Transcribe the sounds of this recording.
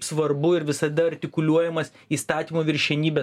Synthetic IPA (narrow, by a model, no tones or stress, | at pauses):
psʋɐɾbʊɪɾʋʲɪsɐd̪ɐɐɾʲt̪ʲɪkʊlʲuɔjɛmɐs | iːst̪ɑːt̪ʲiːmoːʋʲɪɾʲʃʲɛnʲiːbʲɛ